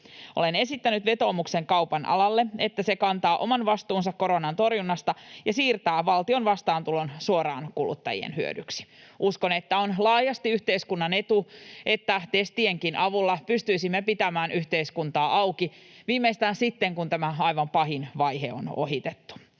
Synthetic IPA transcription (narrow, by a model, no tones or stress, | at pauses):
ʔo̞le̞ne̞sit̪ːænyt̪ʋe̞t̪o̞ːmukse̞ŋkɑwpɑnɑ̰lɑlːeet̪ːæse̞kɑnt̪ɑːʔo̞mɑnʋɑst̪uːnsɑkko̞ɾonɑnt̪o̞rjunːɑst̪ɑjɑsiːrt̪æːʋɑlt̪io̞nʋɑst̪ɑːnt̪ulo̞nsuoɾɑ̰ːnkulṵt̪ːɑ̰jḭḛnhyø̰dyksi̥ʔuskone̞t̪ːæonlɑːjɑst̪iyht̪eiskunːɑne̞t̪uʔe̞t̪ːæt̪e̞st̪ieŋkinʔɑʋulːɑpyst̪yisimːepit̪æmæːnyht̪eiskunt̪ɑːʔɑwki | ʋiːmːeist̪æːnsit̪ːeŋkunt̪æmæɑjʋɑmpɑɦinʋɑjɦḛo̰no̞̰ɦit̪et̪ːu̥